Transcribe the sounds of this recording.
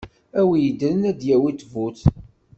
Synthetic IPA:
æwjəd̪ɾənæd̪jæwit̪ːvuθ

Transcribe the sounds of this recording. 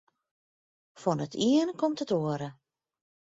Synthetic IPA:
fɔnətʰiənkɔmtətoəɾə

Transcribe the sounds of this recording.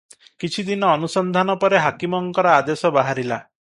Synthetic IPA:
kit͡ʃʰid̪inɔːnusɔnd̪ʱanɔpɔɾeɦakimɔŋkɔɾɔad̪esɔbaɦaɾila

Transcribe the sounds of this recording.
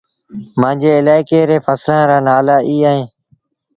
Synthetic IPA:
mãːd͡ʒeːɪlaːɪkeːɾeːfəslãːɾaːnaːlaːʔiːaːɦẽː

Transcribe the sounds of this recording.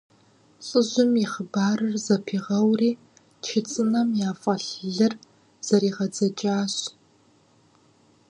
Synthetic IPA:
t͡sʼɨʑʷʊmiχəbaːrɨrzɐpʰiːʁɐwriː | t͡ʃʰɪt͡sʼɨnɐmjaːfʼɐɬɮɨr | z̥ɐɾiːʁɐd͡zɐt͡ʃʼaːɕ

